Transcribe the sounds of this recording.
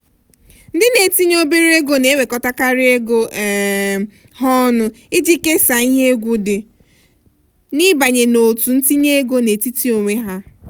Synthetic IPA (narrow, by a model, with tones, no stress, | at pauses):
n̩˦dɪ˦ne˨ti˦ɲ˦o˦bi˦ɾi˦e˦ɡo˦ne˨˦we˨kɔ˦ta˦ka˦ɾɪ˦e˦ɡo˦˨ | ɦɔ˦nʊ˦ | ɪ˦d͡ʒi˦ke˦sa˨i˦ɦe˦e˦ɡʷu˦dɪ˨ | nɪ˦ba˨ɲe˨no˨tu˨n̩˦ti˦ɲe˦e˦ɡo˦ne˨ti˦ti˦o˨ŋʷe˦ɦa˦